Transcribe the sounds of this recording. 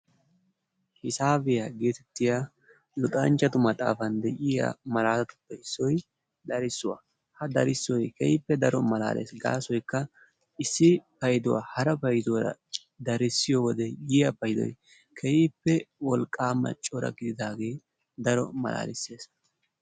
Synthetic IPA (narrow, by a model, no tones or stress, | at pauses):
hɪsaːbɪjaɡe̞ːt̪ɛt̪ːɪja | lʊt̪ʼɐnt͡ʃːɐt̪ʊmɐt̪ʼa̰ːfɐnd̪ɛʔɪja̰mɐlaːlɐt̪ʊ̥pːɐjɪsːɔj | d̪ɐɾɪsːʊwa̰ | hɐd̪ɐɾɪsːɔjkɛhɪpːɛd̪ɐɾɔmɐla̰ːlʔḛːsɡa̰ːsɔjkːɐ | ʔɪsːɪpɐjd̪ʊwa̰hɐɾɐpɐjd̪ʊɾɐ̰ | d̪ɐɾɪsːɪjɔwɔd̪ɛjɪjɐpɐjd̪ɔ̰j | kʰɛjɪpːɛwɔlkʼːaːmːɐ̰t͡ʃʼɔɾɐ̰ɡɪd̪ɪd̪aːɡe̞ː | d̪ɐɾɔ̰mɐ̰la̰ːlɪsːe̞ːs